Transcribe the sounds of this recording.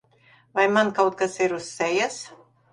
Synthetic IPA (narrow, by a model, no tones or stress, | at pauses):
vajmankawt̪̚kasiɾusːɛjas